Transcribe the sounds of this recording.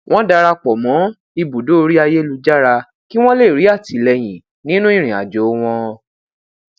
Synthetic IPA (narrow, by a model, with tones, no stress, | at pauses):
w̃ɔ̃˦da˧ɾa˧k͡pɔ˨mɔ̃˨˦ | i˧bu˨do˦o˧ɾi˦a˧je˦lu˧d͡ʒa˦ɾa˧ | ki˦w̃ɔ̃˦le˦˨ɾi˨˦a˦˨ti˨˦˨lɛ˧j̃ĩ˨ | nĩ˦nũ˦ĩ˦˨ɾ̃ĩ˨a̰˨d͡ʒo˨˦w̃ɔ̃˧